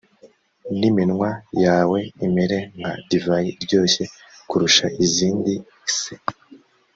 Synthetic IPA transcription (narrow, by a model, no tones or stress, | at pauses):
niminŋwajaːwe̞imiɾe̞ŋɡa̰divajiɾɟo̞ːçe̞ | kuɾuʃaʔiziːndi | se